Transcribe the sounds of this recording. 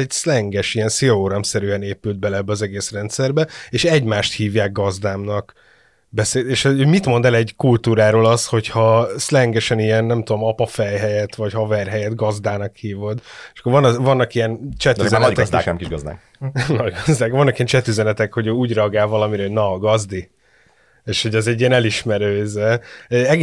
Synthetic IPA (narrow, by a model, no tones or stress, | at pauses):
ɛɟslɛŋɡɛʃijɛnsiooɾɒmsɛɾyɛneːpyld̪̚bɛlɛɛbːɛɒzɛɡeːsrɛnt̪sɛrbɛeːʃɛɟmaːʃt̪hiːvjaːɡ̚ɡɒzd̪aːmnɒk | bɛseːeːʃomit̪mo̞nd̪ɛlɛɟkult̪uːɾaːɾoːlɒsho̞chɒslɛŋɡɛʃɛnijɛnːɛmt̪ud̪o̞mɒpɒfɛjɦɛjɛt̪vɒchɒvɛrɦɛjɛd̪ɡɒzd̪aːnɒkhiːvo̞d̪eʃɒ̥kːorvɒnvɒnːɒkijɛnt͡ʃɛt̪yzɛnɒɡ̪t̪ɛd̪a̰ːk̪ɛmkiʃɡɒzd̪a̰ːk | nɒɟɡɒzd̪aːkvɒnːɒkijɛnt͡ʃɛt̪yzɛnɛt̪ɛkho̞ɟøːuːɟrɛɒɡaːlvɒlɒmiɾɛːnɒɡɒzd̪i | eːʃho̞ɟɛzɛɟːiɛnɛliʃmɛɾøːzɛɛɡ